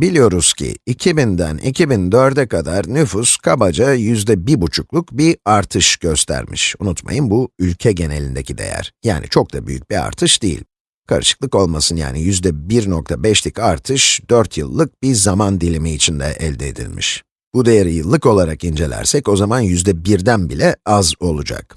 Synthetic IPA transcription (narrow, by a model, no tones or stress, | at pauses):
bilʲijo̞ɾuz̥cʰḭːcʰibind̪æ̰nʔḭcʰibind̪ø̞ɾd̪ɛkʰad̪aɾnyfuskʰabad͡ʒajyzd̪ɛbiɾbut͡ʃʰuklˠukbiaɾt̪ʰɯʃɟ̥øst̪ʰæ̰ɾmḭʃunut̪ma̰jɯnbuylʲcʰɛɟe̞ne̞lʲind̪e̞cʰid̪e̞̰jæ̰ɾ̥jaːnʔḭt͡ʃʰo̞k̚d̪aby̰jyc̚bia̰ɾt̪ʰɯʃd̪ejḭlʲ | kʰa̰ɾɯʃɯ̥k̚lˠɯko̞lˠmasɯnja̰ːnijyzd̪ɛbiɾno̞k̚t̪ʰabɛʃlʲikaɾt̪ʰɯʃd̪̥øɾt̪ʰjɯ̰lˠːɯk̚bizamand̪ilʲimiːt͡ʃʰind̪ɛ̰ʔɛlʲd̪ɛːd̪ḭlʲmḭʃ | b̥ud̪e̞jaɾijɯlˠːɯko̞lˠaɾakind͡ʒe̞lʲæ̰ɾsɛco̞zamanjyzd̪ɛbiɾd̪ænbilʲɛazo̞lˠud͡ʒa̰k̚